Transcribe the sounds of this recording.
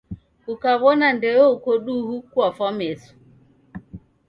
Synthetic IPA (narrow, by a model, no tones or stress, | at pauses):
ukaβɔnandɛɔukɔɗuhukwafɔmɛsu̥